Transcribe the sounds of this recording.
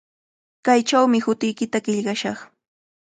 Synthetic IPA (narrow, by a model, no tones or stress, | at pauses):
kajt͡ʃawmɪhʊt̪ɪjkɪt̪aɢɪʎɢɑʃɑχ